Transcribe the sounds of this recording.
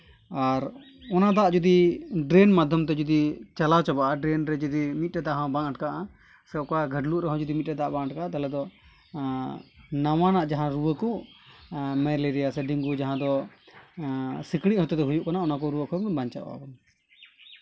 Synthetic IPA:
aɾ | ɔnad̪aaʔd͡ʒud̪iɖɾɛnmad̪ʱjɔmt̪ɛd͡ʒɔd̪it͡ʃalat͡ʃabaʔaɖɾɛnɾɛd͡ʒud̪imit̪̚ɾɛd̪aɦɔ̃baŋaʈkaʔa | sɛkaɡʱəɖluʔɾɛɦɔ̃d͡ʒud̪imit̪̚ɾɛd̪aʔbãʔaʈ̚kaat̪alɛd̪ɔ | nawanaʔd͡ʒaɦãɾuwəku | mɛleɾijasɛɖiŋɡud͡ʒaɦãd̪ɔ | sikɽ̃iʔhɔt̪ɛt̪ɛɦujuʔkanaɔnakɔɾuwəkɔbaɲt͡ʃa̰ʔa̰bɔn

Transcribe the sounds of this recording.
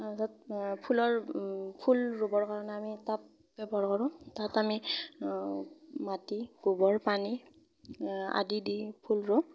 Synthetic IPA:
sat̚pʰulɔɹpʰulɹobɔɹkaɹɔnɛamitap̚ | bɛbaɹkɔɹʊ̃tatami | matiɡ̥ubɔɹpani | a̰didipʰulɹo

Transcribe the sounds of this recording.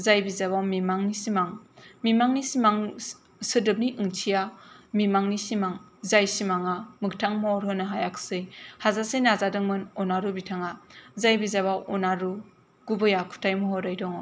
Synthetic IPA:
zajbizaβawmimaŋnisimaŋmimaŋnisimaŋ | sɯdɯp̚niʔɯŋtʰijamimaŋnisimaŋ | zajsimaŋamɯk̚tʰaŋmɔɔɾɦɯnɯɦajaksɯjhazasenazadɯŋmɯnɔnaɾubitʰaŋazajbizaβawɔnaɾu | ɡ̥ubɯjakʰu̥tʰajmɔɦɔɾajdɔŋ

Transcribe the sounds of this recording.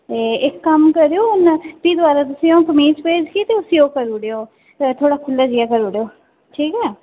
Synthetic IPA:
eɪkːəmkəɾeoːʊnp̪iːd̪ʊʋaːɾaːt̪ʊsĩːõːkəmiːt͡ʃpeːd͡ʒkiːt̪eːʊsiːoːkəɾuːɽeːoː | t̪ʰoːɽaːkʰʊlːaːd͡ʒiaːkəɾuːɽeːoː | ʈʰiːkɛː

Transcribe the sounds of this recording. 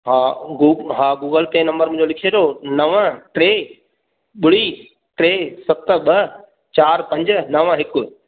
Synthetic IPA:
ɦãɡuɦãːɡuːɡəlt̪ẽːnɐ̃mbəɾmʊ̃ɪ̃ɲd͡ʑolɪkʰied̪onɐʋə̃ʈɾeː | ɓʊɽi | ʈɾeːsɐt̪ɓɐ | t͡ɕaːɾpɐ̃ɲd͡ʑnɐʋə̃ɦɪkʊ̆

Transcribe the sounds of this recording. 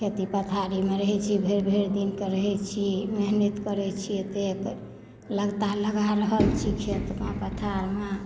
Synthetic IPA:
kʰet̪ipət̪ʰaɾimeɾəɦɛt͡ʃʰibʱeɾbʱeɾd̪inkeɾəɦɛt͡ʃʰimeɦnit̪kəɾɛt͡ʃʰiet̪ek | ləɡt̪aləɡaɾəɦəlt͡ʃʰikʰet̪mepət̪ʰaɾme

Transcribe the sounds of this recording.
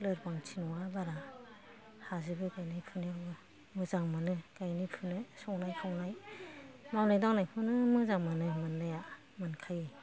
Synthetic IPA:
lɯɾpaŋtʰinɔabaɾa | hazɯbɯkajnajpʰɯnɯɾɡɯ | mɯzaŋmanɯkajnijpʰɯnɯsɔŋnajkʰawnaj | mawnajdaŋnajpʰɯnɯmɯzaŋmanɯmɯndaja | mankʰaje

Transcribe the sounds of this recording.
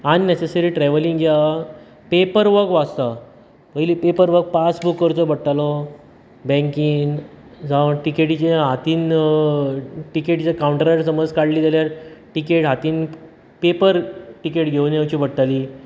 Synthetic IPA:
aninesesəɾiːʈɾɛʋəliŋɡd͡ʑja | pepəɾʋəkʋast̪a | məjlipepəɾʋək̚pasbukːəɾt͡sɔbəɽʈ̪alɔ | bɛ̃ŋkiːn | d͡zaʋəʈikeʈit͡ɕẽɦat̪iːn | ʈikeʈt͡sekawuɳʈəɾəʈsəməd͡zkaɽliːd̪d͡zaljaɾʈikeʈɦat̪iːn | pepəɾʈikeʈɡʱewnjeʋt͡ɕibəɽʈ̪ali

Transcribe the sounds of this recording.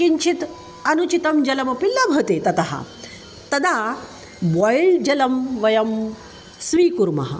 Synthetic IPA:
kiɲt͡ɕʰit̪ | ɐnut͡ɕit̪ɐmd͡ʑɐlɐmɐpilːabʱɐt̪et̪ɐt̪aɦa̰ | t̪ɐd̪a | bɔjɭd͡ʑɐlɐmʋɐjɐm | sʋiːkuɾmɐ̰ɦa̰

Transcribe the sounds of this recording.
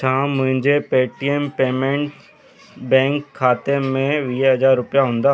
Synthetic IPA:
t͡ʃʰãːmʊ̃ɦɪ̃ɲd͡ʑepeːʈiempeːmẽɳʈ | bɛ̃ːŋkʰːaːt̪emẽʋiːɦɐzaːɾːʊpjaɦʊ̃ːnd̪aː

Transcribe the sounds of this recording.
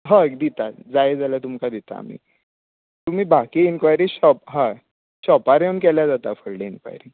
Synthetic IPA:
ɦãkd̪it̪ad͡zajed͡zalat̪umkad̪it̪a̰a̰m̤ḭː | t̪um̤iːbʱakiinkʋajɾiɕɔp̚ɦã | ɕɔpaɾeəmkɛljad͡zat̪afəɽɽeinkʋa̰jɾiŋ

